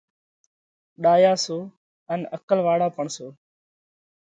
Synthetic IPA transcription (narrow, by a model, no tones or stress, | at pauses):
ɗaːjaːsoː | ənəkəlʋaːɽaːpəɳsoː